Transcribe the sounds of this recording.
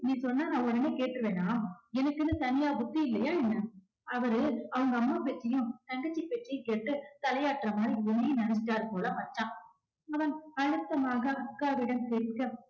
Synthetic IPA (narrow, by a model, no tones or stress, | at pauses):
nĩːsɔnːaːnãːɔɽɐneːkeːʈːɾɯʋeːnːaːɛnɐkːɪnːɐt̪ɐnɪjaːbʊt̪ːiɪlːɐjaːɛnːɐ | ɐʋɐɾɯɐʋɐŋɡɐːmːaːpɛʈrɪjʊ̃t̪ɐŋɡɐt͡ʃːipɛʈrɪjɯ̃keːʈːɯt̪ɐlɐjaːʈɾɐmaːiʊnːenɐnt͡ʃːɪʈːaːɾɯpoːlɐmɐt͡ʃːãː | ɐʋɐnɐɻɯt̪ːɐmaːɣɐɐkːaːʋɪɽɐmseɾkːɐ